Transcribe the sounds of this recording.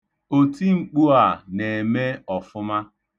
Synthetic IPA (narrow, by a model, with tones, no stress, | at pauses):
o˨ti˦ŋ͡m̩˨k͡pu˦a˨ne˨me˦ɔ˨fʊ˦ma˦